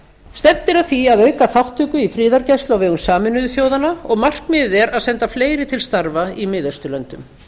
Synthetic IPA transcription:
st̪ɛvt̪ːɪɾaðθiaðœɥkaθawht̪ʰʏːkʏifɾɪːðaɾcɛjst̪lawvɛːɣʏmsaːmɪnʏðʏθjoːwðanaɔ̰ɣmar̥kmɪɛɾaðsɛnt̪afleːjɾɪt̪ʰɪlst̪aɾvaimɪːðœst̪ʏlœnt̪ʏ̰m

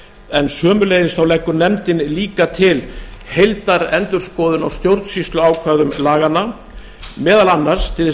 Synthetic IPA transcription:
ɛnsœːmʏleːjðɪsθawlɛkːʏɾnɛmt̪ɪnliːkat̪ʰɪlhejlt̪aɾɛnt̪ʏɾ̥skɔːðʏnawst̪jowɾt̪sist̪lʏaːwkʰvaðʏmlaːɣana | mɛːðalanːaɾ̥st̪ʰɪl

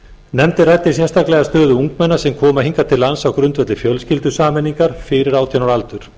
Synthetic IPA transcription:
nɛmt̪ɪrajt̪ːɪs̬jɛst̪ʰaklɛɣast̪œːðʏuŋkmɛnːasɛmkʰɔːmahiŋkat̪ʰɪlːansawkɾʏnt̪vœt̪lɪfjœlscɪlt̪ʏsaːmɛnːiŋkaɾ̥fɪɾɪɾaːwt̪ʰjanaɾalt̪ʏɾ̥

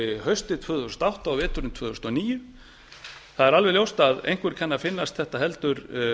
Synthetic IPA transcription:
ɪhœɥst̪ɪt̪ʰvœːðʏst̪awht̪awvɛːt̪ʏɾɪnt̪ʰvœːðʏst̪ɔniːjʏ | θaðɛɾalvɛljowst̪aðḛjŋkvʏɾ̥cʰɛnːafɪnːast̪θɛht̪aɦɛlt̪ʏɾ

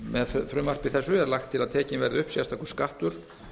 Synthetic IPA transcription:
mɛðffɾʏːmar̥pɪθɛsːʏɛɾlaxt̪ʰːɪlaðt̪ʰɛːcɪnvɛɾðɪʏhpsjast̪akɔ̥skaht̪ʏɾ̥

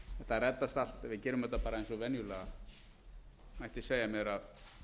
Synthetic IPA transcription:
ɛ̥t̪aðrɛt̪ːast̪al̥t̪ɛvɪðcɛːɾʏmɛt̪ːapaːɾaejnsɔvɛnjʏlaɣa | majht̪ɪseːjamjɛɾað

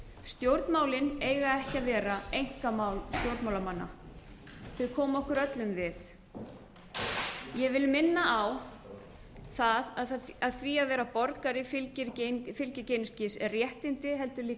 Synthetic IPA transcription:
st̪jowɾt̪nmaːwlɪneːjɣaɛhcaðvɛːɾaejŋ̥kamaːwlst̪jowɾt̪mawlamanːa̰ | θʏkʰɔːmɔhkʏɾœt̪lʏmvɪθ | jɛvɪlmɪnːaʔaw | θaðaaðθviaðvɛːɾapɔɾkaɾɪfɪcɪɾcfɪlcɪcejnʏscɪsɛrrjɛht̪ɪnt̪ɪɦɛl̪t̪ʏɾliː

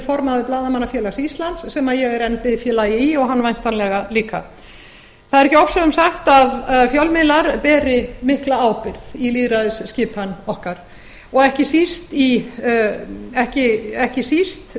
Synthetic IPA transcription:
fɔɾmaðɪplaːðamanːafjɛːlasist̪lant̪sːɛmaðjɛɣɛɾɛnːpɪðfjɛːlajɪiɔɣɦanːvajn̥t̪anlɛɣaliːka̰ | θaðɾɛhcɪɔfsœɣʏmsaxt̪aðfjɔwlmɪlaɾpɛːɾɪmɪhklaaːwpɪɾθiliːðɾaðɪsscɪːphanːɔhkaɾ̥ | ɔɣɛhcɪsist̪i | ɛhcɪɛhcɪsist̪

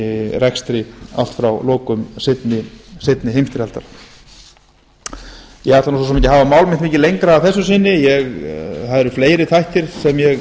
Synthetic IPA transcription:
rɛkst̪ɾɪa̰l̥t̪fɾawlɔːkʏmsɪt̪nɪsɪt̪nɪɦejmst̪ɪɾalt̪a̰ɾ | jɛhaɾt̪anːs̬usɛmejcːɪɦaːvamaːwlmɪnt̪meːcːɪlejŋkɾaːθɛsːʏsɪnːɪjɛɣθaðɛɾʏ̥fleːjɾɪt̪ʰajht̪ɪɾsɛmjɛɣ

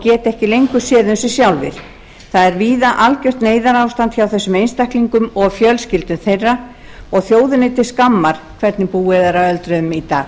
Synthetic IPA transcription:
cɛːt̪ɛhcɪlejŋkʏsɛːðʏnsʏsjawlvɪ̰ɾ̥ | θaðɛɾviːðaʔalcœr̥t̪neːjðaɾawst̪ant̪çawθɛsːʏmejnst̪ahkliŋkʏmɔɣfjœlscɪlt̪ʏmθejrːa | ɔɣθjoːwðɪnɪt̪ɪskamːaɾ̥kʰvɛɾt̪nɪpuːɛðɛɾawœlt̪ɾʏðʏmit̪aː

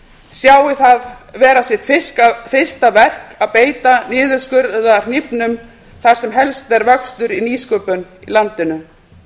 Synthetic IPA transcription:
sjaːwɪθaðvɛːɾasjɛt̪fɪsfɪ̥st̪avɛr̥kaðpeːjt̪anɪːðʏɾ̥skʏɾðʏðar̥nipnʏm | θaɾ̥sɛmɦɛlst̪ɛɾvœkst̪ʏɾiniːskœpʏnilant̪ɪnʏ

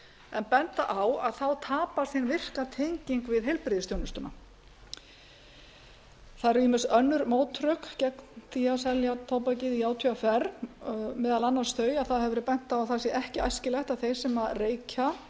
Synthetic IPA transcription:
ɛnpɛn̥t̪a̰ʔawaðθawt̪ʰaːpaɾ̥θinvɪr̥kat̪ʰejɲciŋkvɪðɦejlpɾɪðɪsʰjownʏst̪ʏna̰ | θaɾimɪsœnːʏɾmoːwt̪ʰɾœkcɛknθiasɛljat̪ʰoːwpacɪðiaːwt̪ʰʏafɛɾ | mɛːðalanːan̥st̪œːɥjaðθaðhɛvʏɾʏpɛn̥t̪awaθasjɛʔɛhcɪʔajscɪlɛxt̪aðθejsɛmareːjcʰa

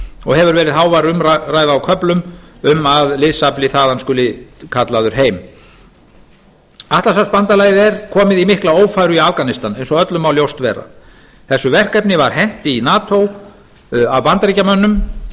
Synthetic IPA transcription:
ɔɣhɛvʏɾvɛːɾɪðhaːwvaɾʏmɾraːjðaːwkʰœplʏmʏmaðlɪðsaplɪθaːðanskʏlːɪkʰat̪laðʏɾ̥ɦeːjm | aht̪lasaspant̪alaːjðɛɾ̥kʰɔːmɪðimɪhklaoːwfajɾʏiafkanɪst̪anejnsɔœt̪lʏmawljowst̪vɛːra̰ | θɛsːʏvɛr̥kɛpnɪvaɾ̥hɛn̥t̪ɪinaːt̪ʰow | avpant̪aɾicamœnːʏm

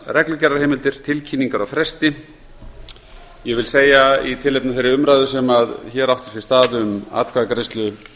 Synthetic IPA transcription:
rɛklʏcɛɾḁɾheːjmɪlt̪ɪɾ̥t̪ʰɪlcʰiːnːiŋkaɾawfɾɛst̪ɪ | jɛɣvɪlseːjait̪ʰɪlːejpnaθejɾɪʏmɾajðʏsɛmaðçɛːɾawht̪ʏ̥sist̪aːðʏma̰t̪kʰvaðkɾest̪lʏ

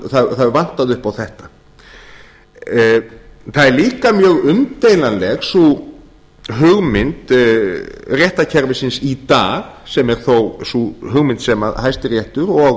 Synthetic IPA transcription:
θaðθaðvan̥t̪aðʏhpawθɛht̪ḁ | θaðɛɾliːkamjœːɣʏmt̪ejlanlɛɣsu | ɦʏɣmɪnt̪ | rjɛht̪acʰɛɾvɪsɪnsit̪aːɣsɛmɛɾ̥θowsuɦʏɣmɪnt̪sɛma̰ðhajst̪ɪɾjɛht̪ʏɾɔɣ

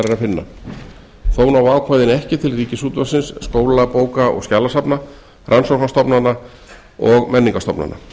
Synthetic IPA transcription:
ɾɛɾafɪnːa̰ | θoːwnawaːwkʰvajðɪnɛhcɪt̪ʰɪlriːcɪsuːt̪vasɪnsːkoːwlapoːwkaʔɔ̰ɣscalasapna | rʔansɔfast̪ɔpnanːa | ɔɣmɛnːiŋkast̪ɔpna̰na̰

